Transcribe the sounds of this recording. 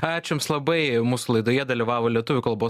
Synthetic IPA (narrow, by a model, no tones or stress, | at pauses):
ɑːt͡ʃʲɪmslˠɐbɐɪmuːsʊlˠɐɪd̪oːjɛd̪ɐlʲiʋɑːʋoːlʲiɛt̪ʊʋʲʊkɐlˠboː